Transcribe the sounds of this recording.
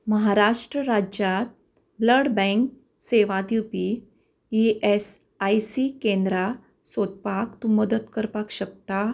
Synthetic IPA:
məɦaɾaʂʈɾəɾad͡ʑjat̪̚ | bləɽbɛ̃ŋk | seʋad̪ipi | iʔes | ajsikẽnd̪ɾa | sot̪̚pakt̪uməd̪ət̪kəɾpakɕək̚t̪a

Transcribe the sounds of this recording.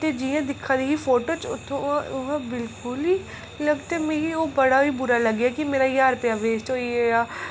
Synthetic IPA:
t̪ed͡ʒijãd̪ɪkʰːaɾeɦifoːʈot͡ʃʊt̪ʰõʊɦãbɪlkʊli | lɐɡt̪emẽːɦioːbɐɽabibʊɾalɐɡakimeːɾajaːɾpeaʋeːsʈɦoːiejaː

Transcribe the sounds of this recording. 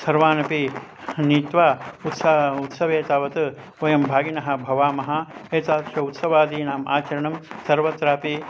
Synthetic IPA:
sɐɾʋaːnɐpi | niːt̪ʋaːut̪sɐut̪sɐʋeːt̪aːʋɐt̪ɨ | ojɐmbʱaːɡinɐɦɐ̆bʱɐʋaːmɐɦɐeːt̪aːt̪ʃʰɐut̪sɐʋaːd̪iːnaːma̰ːt͡ʃɐɾɐɳɐmsɐɾʋɐt̪ɾaːpi

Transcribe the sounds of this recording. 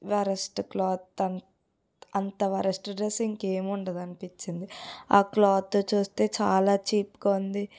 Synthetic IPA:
ʋɐɾɐsʈklɔːt̪ːɐn | ɐnt̪ɐʋɐɾɐsʈɖɾesiŋkeːmuɳɖɐd̪ɐnipiɲt͡ʃːind̪iaːklɔːt̪ːoːt͡ʃuːst̪e̞ːt͡ʃaːlaːt͡ʃiːpkɐund̪i

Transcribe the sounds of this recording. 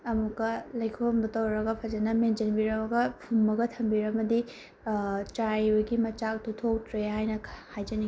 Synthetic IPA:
ɐmukːɐlɐjkʰombɐtɐwɾɐɡɐpʰɐd͡ʒɐnɐmend͡ʒɐnbiɾɐbɐɡɐpʰumːɐɡɐtʰɐmbiɾɐmɐdi | t͡ʃɾajojɡimɐt͡ʃak̚tutʰok̚tɾeɦajnɐhajd͡ʒɐni

